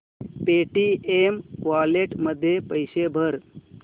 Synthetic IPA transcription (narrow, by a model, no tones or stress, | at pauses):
peʈiemkʋaleʈməd̪ʱːjepəjɕebʱəɾ